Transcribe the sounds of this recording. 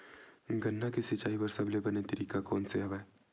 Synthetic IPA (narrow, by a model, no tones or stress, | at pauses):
ɡənːakisɪt͡ʃaːipɐɾsɐblebɐnet̪əɾiːkakɔ̰ːnseɦɐʋɛː